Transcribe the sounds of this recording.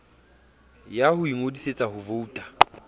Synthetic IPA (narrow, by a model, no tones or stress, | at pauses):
jahʊiŋodiset͡sʼahʊvouːtʼḁ